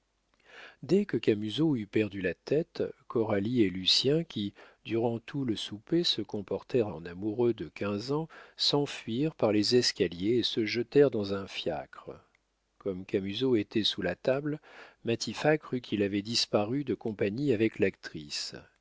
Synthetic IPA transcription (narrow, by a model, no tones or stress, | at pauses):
d̪ɛkəkʲamyzoypɛʁd̪ylat̪ɛt̪kɔʁalielysjɛ̃kʲid̪yʁɑ̃t̪ʰuləsupesəkɔ̃pɔʁt̪ɛʁɑ̰̃namuʁød̪əkʲɛ̃zɑ̃sɑ̃fɥiʁpaʁlezɛskʲaljeesəʒət̪ɛʁd̪ɑ̃zɛ̃fja̰kχə | kɔmkamyzoet̪ʰɛsulat̪ablmat̪ʰifakχykʰʲilavɛd̪ispaʁyd̪əkɔ̃paɲiavɛklakt̪χis